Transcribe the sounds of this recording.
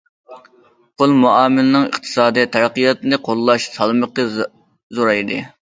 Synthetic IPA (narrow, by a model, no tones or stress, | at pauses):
qʰolˠmuɑːmɪlɪnɨŋə̰qt̪ʰɨ̥sɑːd̪ɨt̪ʰæɾqijɑt̪ɨnɨqʰolˠːɑʃsɑlˠməqːə | zoɾɑjd̪ɨ̰